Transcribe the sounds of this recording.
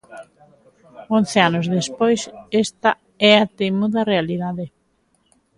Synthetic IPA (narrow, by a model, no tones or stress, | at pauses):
on̟θeanozðespojsest̪a | ɛat̪emuðɐrealiðaðe